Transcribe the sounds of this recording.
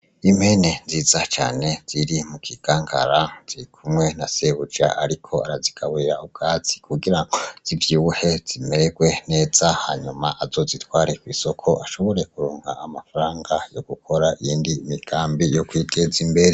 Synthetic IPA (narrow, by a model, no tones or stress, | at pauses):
imhe̞ne̞nziːzat͡ʃa̰ːne̞z̥iɾimukʰiɡ̥aːŋɡa̰ɾaz̥iɾikʰumŋe̞nase̞βud͡ʒaʔaɾikʰo̞aɾaziɡ̥aβuiɾaub̚ɡaːt͡si̥kʰuɡiɾaŋɡoz̥ivjiuhe̞z̥imeɾeɡwe̞ne̞ːz̥aha̰ɲumaʔazo̞zitwaːɾekwiːsokʰo̞ʔaʃo̞βo̞ɾe̞kuɾoːŋɡa̰ːmafaɾaːŋɡajo̞ɡ̥ukʰo̞ɾaʔijiːndiːmiɡ̥aːmbijokwiːɡezimbe̞ɾe